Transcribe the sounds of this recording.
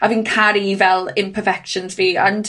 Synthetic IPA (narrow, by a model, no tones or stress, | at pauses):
aviːnkʰaɾivɛlˠɪ̃npʰəfɛkʃə̃nzviːən